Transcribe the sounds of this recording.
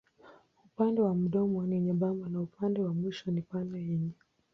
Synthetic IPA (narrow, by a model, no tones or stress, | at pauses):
upandɛwam̩ɗɔmɔniɲaɓambanaupandɛwamwiʃɔnipandajɛɲɛ